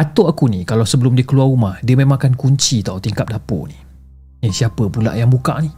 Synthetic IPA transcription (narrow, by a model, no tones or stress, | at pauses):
at̪oakunikalawsəbəlʊmdiəkəluaumahdiəmẽmãŋkankuɲt͡ʃit̪awt̪iŋkap̚dapo̰ni | əsiapəpula̰ʔjaŋbuka̰ʔni